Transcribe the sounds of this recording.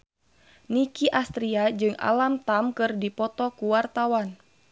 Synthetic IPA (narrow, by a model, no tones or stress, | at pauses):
nikiʔast̪ɾiad͡ʒɨŋa̰lamt̪amkɨrdipɔt̪ɔkuwart̪awan